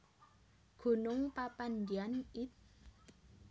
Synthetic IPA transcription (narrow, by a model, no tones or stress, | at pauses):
ɡ̥o̤nʊŋpapand̪ianit̪̚